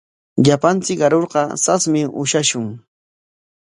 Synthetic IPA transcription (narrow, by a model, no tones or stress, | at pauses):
ʎapant͡sɪkɢɑɾoɾɢɑsasmɪʔʊ̰ʃaʃʊŋ